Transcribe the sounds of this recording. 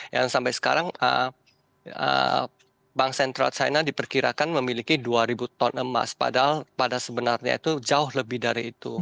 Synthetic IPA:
ja̰ŋsampajsə̥kaɾaŋə̰ | ə̰ | baŋsɛnt̪ɾa̰lt͡ʃa̰jnadipərkiɾakanməmilikiduaɾibut̪ɔnəma̰spa̰dalpadasəbənarɲa̰it̪ud͡ʒaʊhləbɪhdaɾiːt̪u

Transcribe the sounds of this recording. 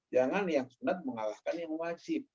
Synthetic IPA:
d͡ʒaŋanjaŋsunat̪̚məŋalahkanjaŋwad͡ʒɪp̚

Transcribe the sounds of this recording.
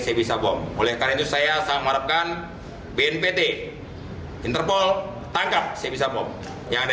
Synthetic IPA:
sajabisabɔmolɛhkaɾait̪usajasamaɾap̚kan | beɛnpet̪e | int̪ərpɔl | t̪aŋkap̚sajabis̬abɔm | jaŋd

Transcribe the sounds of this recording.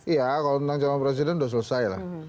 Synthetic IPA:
ijakalot̪ənt̪aŋt͡ʃamanpɾes̬idɛnudaʔs̬uləsaila̰h

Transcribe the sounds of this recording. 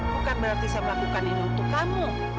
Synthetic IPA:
kukanbəɾart̪isajaməlakukaninunt̪ʊkːamu

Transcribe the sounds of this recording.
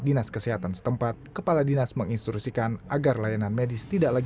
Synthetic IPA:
dinaskəsiɦat̪ansə̥t̪əmpat̪̚kəpaladinasməŋinst̪ɾuksikanʔaɡarlajananmedɪst̪idaʔlaɡ

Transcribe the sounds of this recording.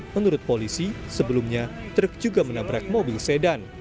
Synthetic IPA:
mənuɾʊt̪̚polisisəbəlumɲat̪ɾək̚d͡ʒuɡamənabɾak̚mobɪlsedan

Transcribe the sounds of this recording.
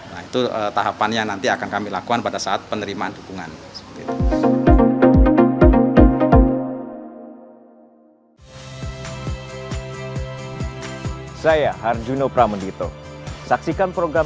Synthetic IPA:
nait̪uət̪aɦapanɲanant̪iakankamilakukanpadasaat̪̚pənəɾimaandukuŋa̰nsə̥pət̪it̪u | sajahard͡ʒunopɾaməndit̪o̰saksikanpɾoɡɾa

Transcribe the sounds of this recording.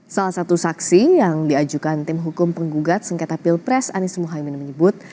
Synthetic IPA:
salahsat̪usaksijaŋdiad͡ʒukant̪ɪmɦukʊmpəŋɡuɡat̪̚səŋkɛt̪apilpɾɛsa̰nisəmuɦajminməɲəbʊt̪̚

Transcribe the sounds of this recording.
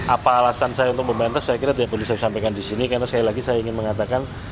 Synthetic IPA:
ʔapaːlasansajaunt̪ʊk̚bəmbɛnt̪asːajakiɾat̪idaʔpəlusajasampajkandisinikarnasə̥kalilaɡisajaiŋɪnməŋat̪akan

